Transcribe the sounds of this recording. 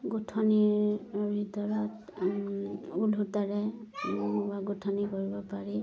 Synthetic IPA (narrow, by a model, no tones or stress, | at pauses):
ɡutʰɔniɹbʱitɔɹɔt | ulɦutaɹɛ | ubaɡutʰɔnikoɹibɔpaɹi